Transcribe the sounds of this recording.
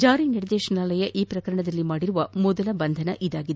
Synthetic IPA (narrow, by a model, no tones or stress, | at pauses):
d͡ʒaːɾiniɾɐd̪ɛːʃɐnaːlɐjɐʔiːpɾɐkɐɾɐɳɐd̪ɐlːimaːɽiɾuʋɐmɔd̪ɐlɐbɐnd̪ʱɐnɐʔid̪aːɡid̪e